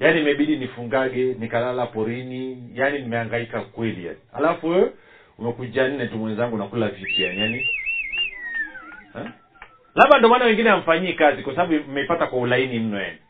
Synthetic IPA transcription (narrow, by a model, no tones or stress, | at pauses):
janimɛɓiɗinifuŋɡaɡɛnikalalapɔɾinijaninimɛaŋɡaikakwɛlḭja̰niha̰lafuwɛɔ | umɛkud͡ʒan̩nɛtumwɛnzaŋɡunakulavipiaani | ɛ | laɓandɔmanawɛŋɡinɛam̩faɲiɛkazikwasaaɓum̩mɛipatakwaulainim̩nɔja̰ni